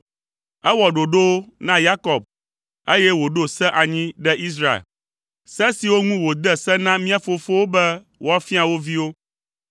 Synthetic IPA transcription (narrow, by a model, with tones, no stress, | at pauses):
ɛ˦wɔ˨ɖo˨ɖo˦nã˦ja˦kɔ˨b̚ | e˦jɛ˦wo˨ɖo˦sɛ̃˦ʔa˨ɲĩ˦ɖɛ˦ʔi˦s̬ɾa˦ḛ˨l | sɛ˦si˨wo˦ŋũ˦wo˨d̪ɛ˨sɛ˦nã˦mĩ˦a˨fo˨fo˦wo˦bɛ˦ | wo˦a˦fi˦a˨wo˦vi˦wo˦